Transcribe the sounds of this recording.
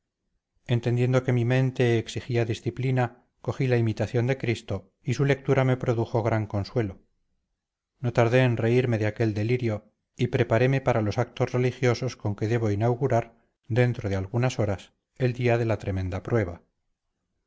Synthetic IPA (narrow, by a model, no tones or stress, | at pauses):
e̞nt̪e̞nd̪je̞nd̪o̞ke̞mimẽ̞nt̪e̞ːksixiaðisθiplina | ko̞χilaimit̪aθjo̞nd̪e̞kɾist̪o̞ | isule̞k̚t̪uɾame̞pɾoðuxo̞ɣɾaŋko̞nswe̞lo | no̞t̪aɾðe̞ːnre̞iɾme̞ðeake̞ld̪e̞liɾjo̞ | ipɾe̞paɾe̞me̞paɾalo̞sak̚t̪ozre̞lixjo̞so̞sko̞ŋke̞ðe̞β̞o̞inawɣuɾaɾ | d̪e̞nt̪ɾoð̞e̞alɣunaso̞ɾas | e̞ld̪iaðe̞lat̪ɾe̞mẽ̞nd̪apɾwe̞β̞a